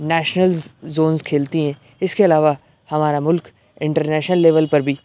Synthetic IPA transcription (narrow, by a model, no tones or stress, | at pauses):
nɛːʃnəlzoːnzkʰeːlt̪iɦɛ̃ː | ɪskeɐlaːʋa | hɐmaːɾamʊlk | ɪ̃ɳʈəɾnɛːʃnəlːeːʋəlpɐɾbʱiː